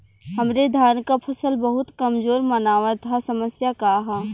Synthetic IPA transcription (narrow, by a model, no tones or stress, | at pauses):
ɦɐmɾed̪ʱjaːnkapʰɐsəlbəɦʊt̪kɐmzoːɾmənaːʋat̪ʰasɐməsjakaɦɛː